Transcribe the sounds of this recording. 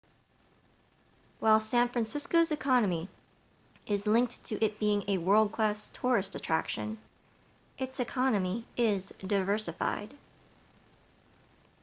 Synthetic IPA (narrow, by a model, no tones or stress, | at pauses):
waɪlˠsæ̃nfɹæ̃nsɪskoʊzɨkʰɑnəmi | ʔɪzlɪ̃ŋk̚tʰɨʔɨt̚b̥iɪ̃ŋɨwɜ˞lˠd̚kʰl̥æstʰɔɹɨstɨtʰɹ̥æ̰kʃɨ̰̃n | ʔɨtsɨkʰɑnɨmiʔɪzdaɪvɜ˞sɨfa̰ɪd̥